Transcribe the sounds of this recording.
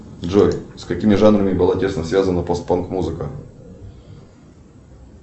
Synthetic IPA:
dʐojskɐkʲimʲɪʐanɾəmʲɪbɨlˠatʲe̞snəsvʲazənəpost̪̚pankmuzɨkə

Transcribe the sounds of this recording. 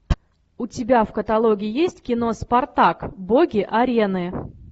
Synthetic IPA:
ʊtʲɪbʲafkət̪ɐlˠoɡʲɪɪjesʲtʲkʲɪno̞spɐrt̪akboɡʲɪʔɐɾʲenɨ

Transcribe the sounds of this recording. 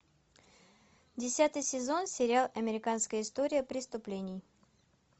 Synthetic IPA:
dʲɪsʲat̪ɨjsʲɪzo̞nsʲɪɾʲalˠɐmʲɪɾʲɪkanskəjəɪst̪oɾʲɪjəpɾʲɪst̪ʊplʲenʲɪj

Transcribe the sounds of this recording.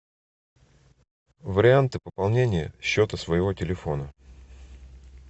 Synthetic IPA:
vəɾʲɪant̪ɨpəpɐlˠnʲenʲɪjə̰ɕːo̞t̪əsvəjɪvo̞tʲɪlʲɪfo̞nə

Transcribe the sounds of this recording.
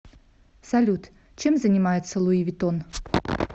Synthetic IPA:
sɐlʲut̪ | t͡ɕemzənʲɪmajɪt̪səlˠuivʲit̪on

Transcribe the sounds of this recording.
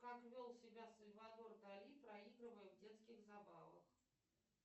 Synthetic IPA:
kakvʲolˠsʲɪbʲasəlʲvad̪ɔrd̪alʲipɾɐiɡɾɨvəjɛvdʲet̪skʲɪɣzabavə̰x

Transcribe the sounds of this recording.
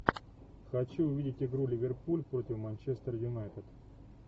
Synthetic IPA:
xɐt͡ɕuʊvʲidʲɪtʲɪɡɾulʲɪvʲɪrpulʲpɾo̞tʲɪfmɐnʲt͡ɕest̪ərjʊnajt̪ət̪

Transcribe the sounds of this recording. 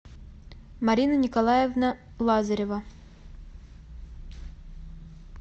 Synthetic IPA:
mɐɾʲinənʲɪkɐlˠajevnə | lˠazəɾʲevə

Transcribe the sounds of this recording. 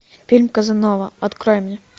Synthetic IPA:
fʲilʲmkɐzɨnɔvɐɐt̪kɾɔjɪmnʲɛ

